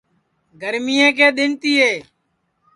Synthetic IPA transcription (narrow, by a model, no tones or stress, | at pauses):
ɡəɾmiːẽːk̬eːɗ̪ɪɳt̪iːɦeː